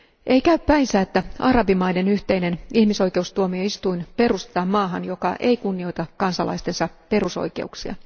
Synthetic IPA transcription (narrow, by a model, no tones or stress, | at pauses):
ʔe̞ikæyppæinsæːet̪ːæɑɾɑbimɑjde̞nyht̪e̞ine̞nihmiso̞jke̞ust̪uomio̞ist̪uinpe̞rust̪et̪ɑmmɑːɦɑnjo̞kɑʔe̞ikunːio̞jt̪ɑkkːɑnsɑlɑ̰ist̪e̞nsɑpe̞ruso̞̰jke̞̰uksiɑ̰